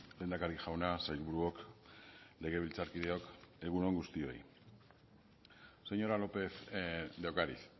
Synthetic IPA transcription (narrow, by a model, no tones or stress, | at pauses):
be̞nd̪akaɾiʝawnasajlβuɾuo̞k | le̞ɣ̞e̞β̞ilt͡saɾkiðe̞o̞ke̞ɣ̞unoŋɡust̪io̞j | se̞ɲo̞ɾalo̞pe̞θd̪ewkaɾḭθ